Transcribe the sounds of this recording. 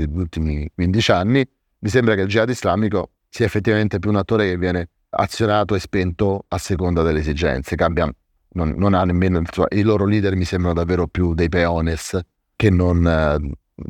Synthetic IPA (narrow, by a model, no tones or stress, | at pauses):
eʎult̪imikwind̪it͡ʃanːi | mis̬embɾakeld͡ʒiad̪izlaːmiko | siːaefːet̪ːivament̪ep̬juːnat̪ːoːɾekevːjɛːne | a̰t̪sːjonaːt̪oespɛnt̪oasːekond̪ad̪elːesid͡ʒɛ̰nt̪sekambjan | nonːonanːemːeːnoisomːa̰ʔiloːɾoliːd̪ermisembɾanod̪avːeːɾopjud̪ejpeɔːnes | kenːon